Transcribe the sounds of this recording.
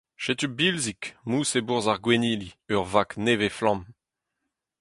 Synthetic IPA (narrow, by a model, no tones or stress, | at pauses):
ʃet̪ybilzikmuːsebuʁzaʁɡweniːliøʁvakneveflɑ̃m